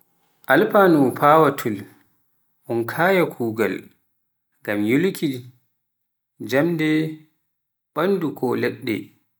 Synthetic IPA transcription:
ʔalpanupʰaːwatʰul | ʔɔnkʰaːjakʰuːɡa̰l | ɡamjulkʰi | d͡ʒamdɛ | ɓanːdukʰɔlɛɗːɛ̰

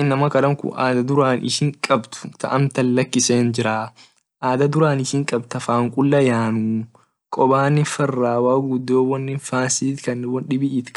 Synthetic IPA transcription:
nɐmɐkɐɾɐŋkʊ̰ʔaːd̪ɐd̪ʊɾaːnʔɪ̰ʃɪŋkʼɐbt̪ʊ̥t̪ɐ̰ʔɐmt̪ɐlːɐkːɪse̞ːnd͡ʒɪɾaː | ʔaːd̪ɐd̪ʊɾaːnɪʃɪŋkʼɐbt̪ɐfaːŋkʼʊlːɐjaːnuː | kʼɔbaːnɪfɐrːaːwaːɡʊd̪oːwɔnːɪnfaːnsiːt̪kɐnːɪwɔnɗɪbɪʔiːt̪k

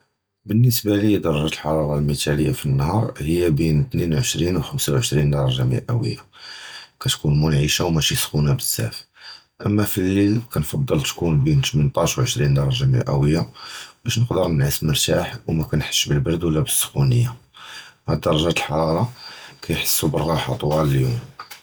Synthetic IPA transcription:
bənːəsbælid̪ɑɾˤɑʒæt̪əlħɑɾˤɑɾˤɑlmit̪æləjːafinːhɑɾˤhəjːæbint̪ninʕəʃɾinwxəmsawʕəʃɾind̪ɑɾˤɑʒamḭʔæ̰wə̰jːa | kæt̪kunmʊnʕiʃawmæʃisxunabəsːæ̰f | ʔəmːæfilːilkænfɑd̪ˤːəlt̪kunbint̪mint̪ˤɑʃwʕəʃɾind̪ɑɾˤɑʒamḭʔæwəjːabæʃnəqd̪əɾnəʕisməɾt̪aħwmækænħə̥ʃːbəlbɑɾd̪wəlːæbəsːxunəjːa | ʕæd̪ɑɾˤɑʒæt̪əlħɑɾˤɑɾˤɑkʰæjħə̥sːubəɾˤɣɑħɑt̪ˤwɑləljum

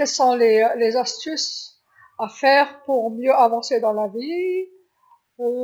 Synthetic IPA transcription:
ɛsɔ̃lelezast̪ys | afɛːʁpuʁmjøavɑ̃sed̪ɑ̃lavi | u

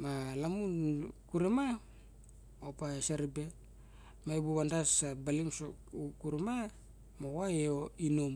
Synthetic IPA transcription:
malamunkuɾema | opasaɾibe̞ | mabuβandasabalimso | ukuɾema | mowaeoinom

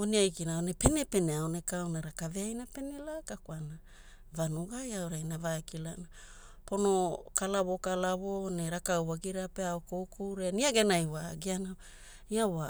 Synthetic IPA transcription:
oniajkinaonepene̞peneaone̞kawnaɾakaveajnape̞ne̞lakakuana | vanuɡajawɾajnavakilana | po̞nokalaβo̞kalaβo̞neɾakawwaɡiɾapeaokowkuwɾeaniaɡe̞najwaɡiana | iawa

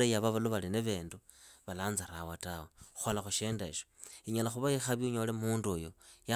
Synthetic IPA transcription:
ejaβaβaloβalineβeːndu | βalaːnzaɾawatawexu̥xalaxuʃeːndaʃo̥iɲalaxuβaixaβjiuɲo̞lemuːndujoja

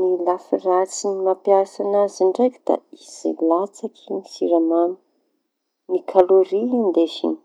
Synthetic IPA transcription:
nilafirat͡sinimapjasanazaɳɖ͡ʐajkʲu̥d̪a̰iz̥ḭlat͡sakʰinifiɾamani | nikʰaloɾiand̪eʃḭni̥

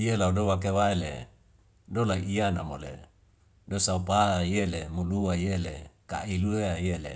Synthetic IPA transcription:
ielaudowak̬ewaelḛ | dolaiianamolḛ | dosaupaajelemuluajelḛka̰ilueajelḛ

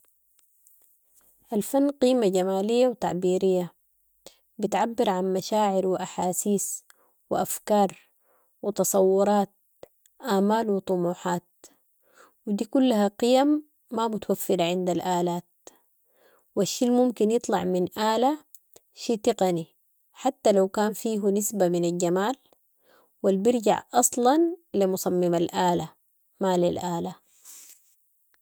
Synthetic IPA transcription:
ʔalfanːqiːmaɟamaːlijːawt̪a̰ʕbiːɾijːa | bɪt̪ʕabːɪɾʕanmaʃaːʕɪɾwɪʔaħaːsiːs | wɪʔafkɑːɾˤ | wɪt̪ɑsˤɑwːʊɾˤɑːt̪̚ | ʔaːmaːlwɪt̪ˤʊmuːħaːt̪̚ | wɪd̪iːkulːaɦaqijamː | amʊt̪awafːɪɾaʕɪnd̪alʔaːlaːt̪̚ | waʃːiːlmumkinjɨt̪ˤlɑ̰ʕminʔaːla | ʃiːt̪ɪqɑni | ħat̪ːalawkaːnfiːɦunisbaminalɟamaːl | walbiɾɟa̰ʕʔɑsˤlɑnlimʊsɑmːɪmalʔaːla | maːlilʔaːla

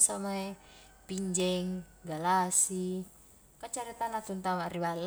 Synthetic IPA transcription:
samae | piɲd͡ʒɛŋɡalasi | kat͡ʃaɾit̪anat̪unt̪amariwal

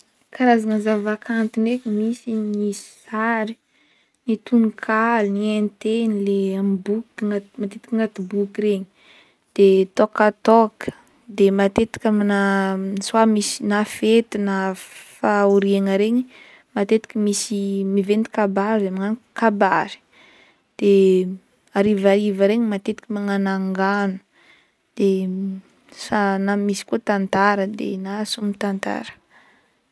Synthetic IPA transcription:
kaɾazaŋəzavakʰant̪inekʲəmisiniaɾi̥ | nit̪unikʰalnient̪enileambuk̪ŋamat̪et̪i̥kəŋat̪ibukiɾeɲi̥ | d̪̥et̪okat̪ɔkə̥ | d̪emat̪et̪i̥kʲaminaniswamisinafet̪inafauɾiaŋəɾeɲi | mat̪et̪i̥kʲəmisimivent̪i̥kabaɾamiŋankabaɾi̥ | d̪̥e | aɾivaɾivəɾeɲimat̪et̪i̥kʲamaŋanaŋɡanu̥ | d̪̥e | sanamisi̥kot̪ant̪aɾəd̪ḛnasumit̪ant̪a̰ɾə̥

